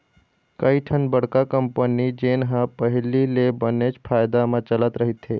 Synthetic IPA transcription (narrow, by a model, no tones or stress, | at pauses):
kəiʈʰənbəɽ̤kakəmpənid͡ʒeːnɦãpəɦlilebənet͡ʃpʰaːjd̪amãt͡ʃələt̪ɾəɦit̪ɦeː